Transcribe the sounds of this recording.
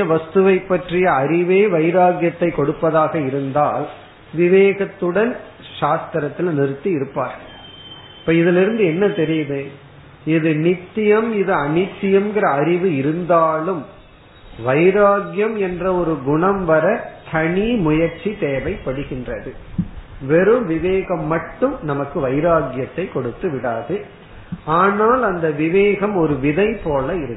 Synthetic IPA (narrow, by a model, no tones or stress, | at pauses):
ɐʋɐst̪ɯʋɐɪpːɐʈrɪjɐɐɾɪʋeːʋɐɪɾaːɡjɐt̪ːɐɪkːɔɽɯpːɐðaːɣɐɪɾɯnd̪aːl | ʋɪʋeːɣɐt̪ːɯɽɐn | ʃaːst̪ɪɾɐt̪ːɪlnɪɾɯt̪ːiɪɾɯpːa̰ːɾɣɐɭ | ɪpːɐːɪðɪlɪɾɯnd̪ɯɛnːɐt̪ɛɾɪjɐðɯ | ɪðɯnɪt̪ːɪjɐmɪðɯɐnɪt̪ːɪjɐmɡɪrɐːɾɪʋɯɪɾɯnd̪aːlɯm | ʋɐɪɾaːɡjɐmɛndrɐɔɾɯɡʊɳɐmʋɐɾɐt̪ʰɐɳimʊjɐɾt͡ʃːit̪eːʋɐɪpːɐɽɯɣɪndrɐðɯ | ʋɛɾɯmʋɪʋeːɣɐmːɐʈːɯmnɐmɐkːɯʋɐɪɾaːɡjɐt̪ːɐɪkːɔɽɯt̪ːɯʋɪɽaːðɯ | aːnaːlɐnd̪ɐʋɪʋeːɣɐmɔɾɯʋɪðɐɪpoːlɐɪɾɯkː